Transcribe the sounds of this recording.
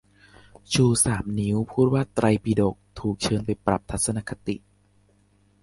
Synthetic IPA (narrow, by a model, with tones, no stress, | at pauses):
t͡ɕʰuː˧saː˩˦mni˦˥wpʰuː˥˩t̪̚waː˥˩t̪ɾa˧jpiː˧do˨˩k̚t̪ʰuː˨˩k̚t͡ɕʰɤː˧npa˧jpɾa˨˩p̚t̪ʰa˦˥t̪̚sa˧na˧˥kʰa˧t̪ḭ˨˩ʔ